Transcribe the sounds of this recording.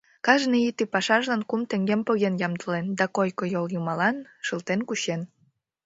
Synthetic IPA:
kɑʒniit̪ipɑʃɑʒlɑnkumt̪ĕŋɡempoɣenjɑmd̪əlend̪ɑkojkojoljumɑlɑnʃəlt̪enkuɕen

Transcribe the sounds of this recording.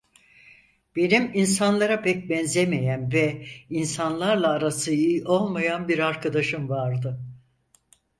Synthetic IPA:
b̥e̞niminsanlˠaɾapɛc̚bɛnzemejænvɛinsanlˠaɾlˠaːɾasɯijiʔo̞lˠmajanbiɾaɾkʰad̪aʃɯmvaɾd̪ɯ

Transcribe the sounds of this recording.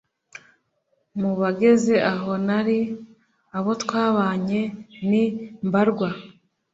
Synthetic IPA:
muβaɡe̞ze̞ʔaɦo̞naɾi | aβo̞tkwaːβaːɲe̞nimbaɾɡwa

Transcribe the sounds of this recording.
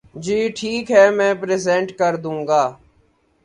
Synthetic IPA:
d͡ʒiːʈʰiːkɦɛːmɛ̃ːpɾeːzɛ̃ːɳʈkəɾd̪ũːŋɡaː

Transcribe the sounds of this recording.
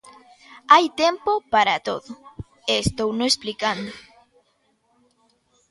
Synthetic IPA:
ajt̪empopaɾat̪o̰ðʊ | eːst̪ownoesplikand̪o

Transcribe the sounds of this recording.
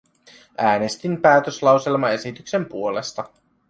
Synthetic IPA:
ʔæːne̞st̪impæːt̪øslɑwse̞lmɑe̞sit̪ykse̞mpuo̞le̞st̪ɑ

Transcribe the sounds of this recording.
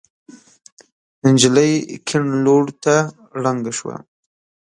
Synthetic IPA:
ənd͡ʒɪləjkʰɪɳloɽt̪a | ɽaŋɡaʃwa̰

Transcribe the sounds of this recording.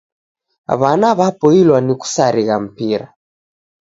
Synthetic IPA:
βanaβapɔilwaniku̥saɾiɣam̩piɾa̰

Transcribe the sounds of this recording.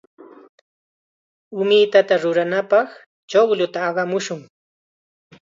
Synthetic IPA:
ʊmɪjt̪at̪aɾʊɾanapɑχ | t͡ʃowlʊt̪aːɢɑmʊʃʊŋ

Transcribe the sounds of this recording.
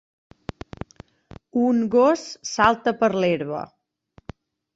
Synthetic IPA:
uŋɡossalˠt̪əpəɾleɾβə̰

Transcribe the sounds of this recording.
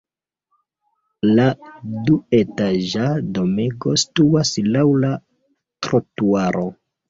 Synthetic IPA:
ladue̞taʒado̞meɡostuaslawla | tɾotuaɾʔo̞

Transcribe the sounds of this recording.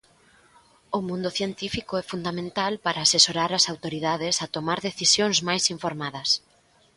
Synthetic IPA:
ʊmũnd̪ʊθjent̪ifikʊɛfund̪amẽnt̪alpaɾaːsesoɾaɾɐsawt̪oɾiðaðesat̪omaɾðeθisjõŋzmajsiɱfoɾmað̞ɐs

